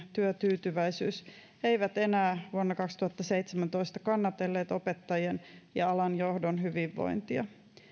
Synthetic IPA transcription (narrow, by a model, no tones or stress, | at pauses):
t̪yøt̪yːt̪yʋæisyːs | ejʋæt̪e̞næːʋuonːɑkɑkst̪uhɑt̪ːɑseit̪semænt̪o̞ist̪ɑ̥kɑnːɑt̪e̞lːeːt̪o̞pet̪ːɑjenjɑɑlɑnjohdonɦyʋiʋːo̰int̪iɑ̰